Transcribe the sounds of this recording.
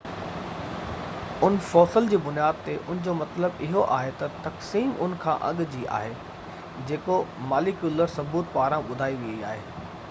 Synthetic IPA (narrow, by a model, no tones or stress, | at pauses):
ʊnfɔːsəld͡ʑiːbʊnijaːd̪̚t̪eʔʊnɪ̃d͡ʑomɐt̪ləbɪɦoʔa̰ːɦet̪ɐt̪ɐksiːmʊ̰n̆kʰãːʔɐ̰ɠd͡ʑiːʔa̰ːɦe | d͡ʑeːkomaːlɪkjʊləɾsɐbuːt̪̚paːɾãɓʊd̪ʱaːiʋiiaːɦeː